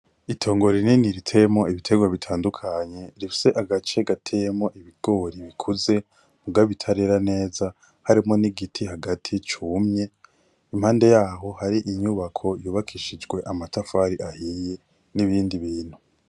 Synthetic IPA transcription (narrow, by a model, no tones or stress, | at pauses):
itʰo̞ːŋɡo̞ɾininiɾitʰe̞mo̞iβitʰe̞ɡwaβitʰaːndukʰaɲe̞ɾifi̥se̞ʔaɡat͡ʃe̞ɡatʰe̞jmo̞ʔiβiɡ̥o̞ːɾiβikʰuze̞ | muɡaβitʰaɾe̞ɾane̞ːza | haɾimo̞niɡitʰihaɡatʰit͡ʃumɲe̞ | im̥haːnde̞jaːɦo̞haɾiʔiɲuβakʰo̞juːβakʰiʃid͡ʒɡwe̞ʔamatafaːɾiʔahije̞ | niβiːndiβiːn̥hu